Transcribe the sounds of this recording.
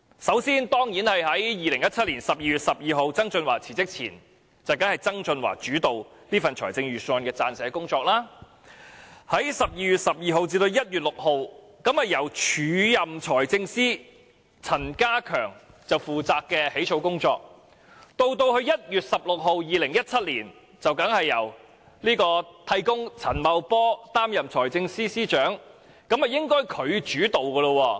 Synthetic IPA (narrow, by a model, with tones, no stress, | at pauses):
sɐ˨˥wsiː˥nt̪ɔː˥ŋjiː˨˥nhɐ˨jɦɐ˨˥jjiː˨˩lɪ˨˩ŋjɐ˥t̚t͡sʰɐ˥t̚liː˨˩nsɐ˨p̚jiː˧ɥyː˨˩t̚sɐ˨p̚jiː˨˧ɦo˨wt͡sɐ˥ŋt͡sɵ˧nwa̰ː˨˩t͡sʰiː˨˩t͡sɪ˥k̚t͡sʰḭː˨˩n | t͡sɐ˨wkɐ˨˥nhɐ˨jt͡sɐ˥ŋt͡sɵ˧nwa̰ː˨˩t͡ʃyː˨˥t̪o˨w | niː˥fɐ˨nt͡ʃʰɔː˨˩jt͡sɪ˧ŋɥyː˨sɔː˧nkɛː˧t͡saː˧nsɛː˨˥kʊ˥ŋt͡sɔː˧k̚laː˥ | hɐ˨˥jsɐ˨p̚jiː˨˧ɥy˨t̚sɐ˨p̚jiː˨˧ɦo˨wt͡siː˧t̪o˧wjɐ˥t̚jyː˨t̚lʊ˨k̚ho˨˧w | kɐ˥mhɐ˨˩jɐ˨˩wt͡ʃʰyː˨˥jɐ˨mt͡ʃʰɔː˨˩jt͡sɪ˧ŋsiː˥ | t͡sʰɐ˨˩nkaː˥kʰœː˨˩ŋt͡sɐ˨wfuː˨˩t͡saː˧kːɛː˧he˨˥t͡ʃʰo˧wkʊ˥ŋt͡sɔ̰ː˧k̚ | t̪o˥˧wt̪o˧whɵ˧ɥjɐ˥t̚jyː˨t̚sɐ˨p̚lʊ˨k̚ɦo˨wjiː˨˧lɪ˨˩ŋjɐ˥t̚t͡sʰɐ˥t̚liː˨˩n | t͡sɐ˨wkɐ˨˥ŋhɐ˨jːɐ̰˨˩w | liː˥kɔː˧t̪ʰɐ˧˥jkʊ˥ŋt͡sʰɐ˨˩nmɐ˨˧wpɔː˥t̪aː˥mjɐ˨mt͡sʰɔː˨˩jt͡sɪ˧ŋsiː˥siː˥t͡ʃœː˨˥ŋ | kɐ˨˥mhɐ˨jɪ˥ŋkɔː˥jkʰɵ˨˧ɥt͡ʃyː˨˥t̪o˨wkɔː˧lo˧wɔː˧